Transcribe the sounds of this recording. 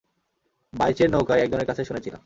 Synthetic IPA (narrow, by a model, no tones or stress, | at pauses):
bajt͡ɕeɾnowkajɛk̚d͡ʑʱoneɾkat͡ɕʰeʃunet͡ɕʰila̰